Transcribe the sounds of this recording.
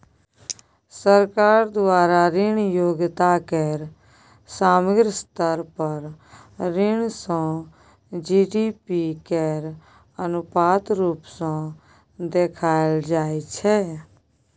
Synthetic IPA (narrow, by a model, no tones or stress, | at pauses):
səɾkaːɾd̪ʊaːɾaːɾɪɳjoːɡt̪aːkɛːɾ | saːməɡɾst̪əɾpəɾ | ɾɪɳsãː | d͡ʒiːɖiːpiːkɛːɾ | ənʊpaːt̪ɾuːpsãː | d̪eːkʰaːld͡ʒaːit͡ʃʰɛː